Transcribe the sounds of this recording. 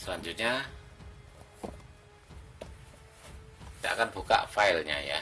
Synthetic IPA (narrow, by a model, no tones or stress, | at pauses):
səlaɲd͡ʒut̪̚ɲa | d̥aʔkanb̥ṳka̰ʔfaɪlɲa̰ja̰